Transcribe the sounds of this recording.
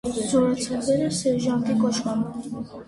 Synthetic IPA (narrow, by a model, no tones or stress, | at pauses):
zɔɾat̪sʰɛbɛɾɛsɛɾʒant̪ʼikʼɔʃkam